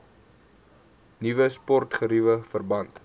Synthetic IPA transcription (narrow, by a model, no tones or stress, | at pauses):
nivəspɔrtχəɾivəfərbɐnt